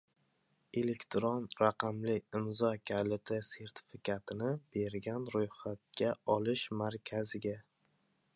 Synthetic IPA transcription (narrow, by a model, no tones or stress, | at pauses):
e̞lekʲt̪ʰɾonɾaqɑmlɪɪmzɒkʲʰalɪt̪ʰese̞ɾt̪ʰɪ̥fɪkʲʰat̪ʰɪnɪb̥e̞ɾɡʲanɾojχat̪̚ɡʲaɒlɪʃmaɾkʲʰazɪɡʲa